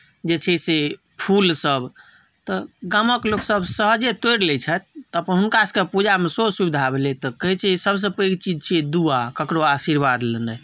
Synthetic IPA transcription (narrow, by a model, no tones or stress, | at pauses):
d͡ʒet͡ʃʰɛse | pʰulsəb | t̪ɔɡaməkloksəbsəɦəd͡ʒet̪ojɽlɛt͡ʃʰɛt̪̚ːəpənɦunkaskepud͡ʒamesosubid̪ʱabelet̪ɔkəɦit͡ʃʰɛisəbs̬əpəjkt͡ʃid͡ʒt͡ʃʰiɛd̪uakəkɾoasiɾbad̪lənə